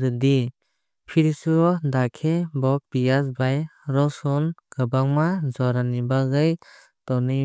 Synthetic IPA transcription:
ɾɯdi | pʰiɾisuɔdakʰebɔbijasbajɾɔsɔnɡ̥ɯbaŋmazɔɾanibaɡɯj | tɔnɯ

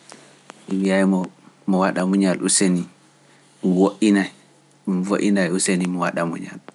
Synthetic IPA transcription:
iwijajmɔmɔwaɗamuɲaluseni | ɗumwoʔinaj | ɗumvoʔinajusenimɔwaɗamṵɲa̰l

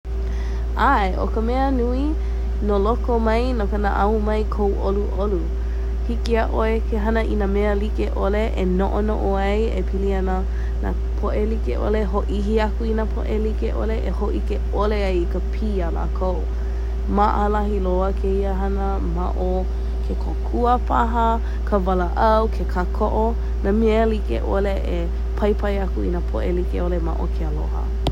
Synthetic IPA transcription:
ʔaeʔo̰kəmɛənui | nolokomɐjnokəna̰ʔaumɐjkʰowʔoluʔolu | hikiaʔoekʰeɦɐnəʔinameəlikeʔoleʔenoʔono̰ʔoɐjepʰiliɐnə | na̰ | pʰoʔelikḛʔo̰leɦoʔiɦiɐkuinapʰo̰ʔelikeʔo̰leʔehoʔike | oleɐjikəpʰiːala̰ːkʰow | maʔəlɐɦiloəkʰeiəɦɐnə | ma̰ʔo | kʰekʰokʰuəpʰaɦɐ | kʰəvɐləʔɐwkʰekʰakʰoʔo | namilikḛʔoleʔe | pʰɐjpʰɐjɐkuḭnapʰoʔelikeolema̰ʔokʰealo̰hə̰

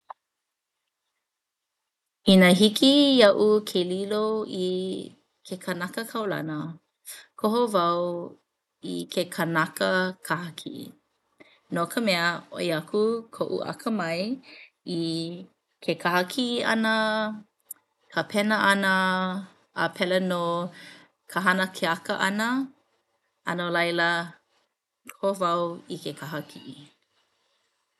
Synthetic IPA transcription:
inəɦikʰijɐʔukʰeliloi | kʰekʰənɐkəkʰɐwlɐ̰nə | kʰoɦovɐw | ikʰekʰənɐkəkʰahɐkʰḭ | nokʰəmɛəo̰iɐkʰukʰoʔṵʔɐ̰kʰəmɐj | i | kʰekʰahɐkʰiɐ̰nə | kʰəpʰɛnəʔɐnəː | pʰɛleno | kʰəɦɐnəkʰeɐkə̰ʔɐnə | ɐnolɐjlə | kʰovɐwikekʰaɦɐkʰii

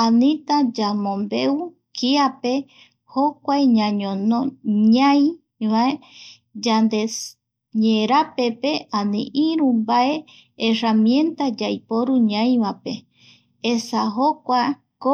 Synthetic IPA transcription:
anĩt̪ad͡ʒamõmbe̞u | kʰiape̞ | hokʷaeɲãɲõnõɲãj̃ | βae | d͡ʒand̪e | ɲeɾapepe̞anḭ̃ʔĩɾũmbae̞ | eramiẽ̞nt̪ad͡ʒajpoɾuɲãĩβape | esaɦokʷa | ko

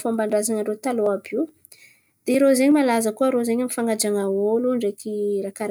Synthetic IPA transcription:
fombaɳɖ͡ʐazaŋaɳɖ͡ʐet̪aloabiw | d̪̥eiɾozeɲimalazəkuəɾozeɲamifaŋɡad͡ʒaŋaoluɳɖ͡ʐekiɾakaɾ

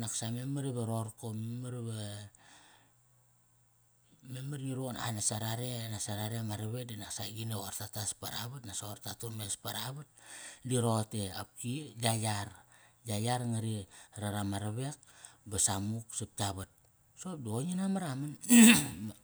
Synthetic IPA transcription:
naksamemaɾeβaɾo̞ɾkomemaɾβa | memaɾniɾona̰nasaɾaɾenasaɾaɾemaɾaβek̚dinaksaɡineoaɾtataspaɾa̰βatnasoɾtatunmespaɾaβat̚diɾotea̰p̚kiɡajaɾɡajaɾŋaɾiɾaɾamaɾaβe̞k̚basamuksap̚taβat̚ | sop̚dioɲinamaɾaman

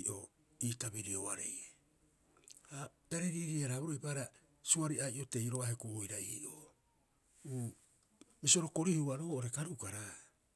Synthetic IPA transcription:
ʔo̞̰ | iːtabiɾioaɾḛje | hadaɾeɾiɾiaɾabuɾojpaɾa | suaɾiajʔo̞te̞jɾoahekoːjɾaiːʔo | uː | misio̞ɾo̞ko̞ɾihuaɾo̞ːoɾe̞kaɾukaɾa

